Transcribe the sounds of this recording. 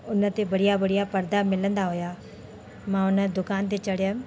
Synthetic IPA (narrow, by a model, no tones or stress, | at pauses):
ʊnə̆t̪eʋɐɽijaʋɐɽijapɐɾd̪amɪlə̃nd̪aɦʊja | mãʊnə̆d̪ʊkaːnt̪̬et͡ɕɐɽɪjə̃